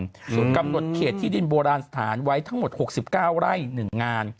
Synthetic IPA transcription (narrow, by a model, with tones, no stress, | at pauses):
suː˨˩˦nka˧mno˨˩t̪̚kʰeː˨˩t̪ʰːiː˥˩di˧nboː˧ɾaː˧nsḁ˧t̪ʰa̰ː˩˦nwa˦˥jt̪ʰa˥ŋmo˨˩t̪̚ho˨˩k̚si˨˩p̚kaː˥˩wɾa˥˩jnɯ˨˩ŋːaː˧n